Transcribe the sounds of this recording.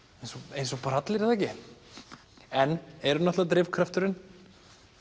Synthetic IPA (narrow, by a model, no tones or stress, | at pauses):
ejnsɔejnsɔpɾat̪lɪɾɪðɛhcɪ | ɛnːɛɾʏnɔt̪at̪ɾɪvkʰɾaft̪ʏɾɪn